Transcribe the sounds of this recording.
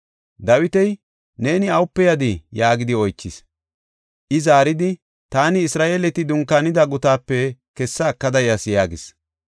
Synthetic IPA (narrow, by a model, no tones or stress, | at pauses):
d̪ɐwɪt̪ɛj | ne̞ːnɪɐwʊpːɛjɐd̪ɪjaːɡɪd̪ɪɔjt͡ʃːɪs | ʔɪzaːɾɪd̪ɪ | t̪aːnɪːsɾaːʔeːlɛt̪ɪd̪ʊŋkːanɪd̪ɐɡʊt̪aːpːɛkɛsːɐːkːɐd̪ɐjɐsjaːɡɪs